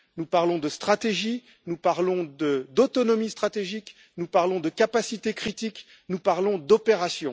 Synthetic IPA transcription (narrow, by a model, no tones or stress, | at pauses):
nupaʁlɔ̃d̪əst̪χat̪eʒi | nupaʁlɔ̃d̪əd̪ɔt̪ɔnɔmist̪χat̪eʒik | nupaʁlɔ̃d̪əkapasit̪ekχit̪ik | nupaʁlɔ̃d̪ɔpeʁasjɔ̃